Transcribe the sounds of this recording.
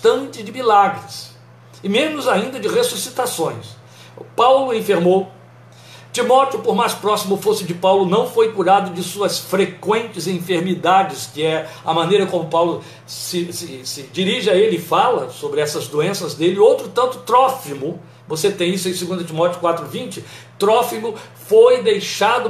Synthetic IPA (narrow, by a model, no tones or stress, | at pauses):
t̪ɐ̃nt͡ʃɪd͡ʒɪmilaɡɾɪs | ɪmẽnʊzaĩnd̪ɐd͡ʒɪʁesusit̪asõj̃s | pawlʊẽfeɾmow | t͡ʃimɔt͡ʃɪʊpoɾmajspɾɔsimʊfosɪd͡ʒɪpawlʊnɐ̃w̃fojkuɾad̪ʊd͡ʒɪsuɐsfɾekwẽnt͡ʃɪzẽfeɾmid̪ad͡ʒɪskɪɛ | ɐmɐ̃nejɾɐkõmʊpawlʊ | sɪsɪsɪd͡ʒiɾiʒɪaelɪɪfalɐsobɾɪɛsɐzd̪oẽsɐzd̪elɪowt̪ɾʊt̪ɐ̃nt̪ʊt̪ɾɔfimʊ | voset̪ẽj̃isʊẽj̃siɡũnd̪ɐt͡ʃimɔt͡ʃiʊ̥kwat̪ɾʊvĩnt͡ʃɪ | t̪ɾɔfimʊ | fojd̪ejʃad̪ʊ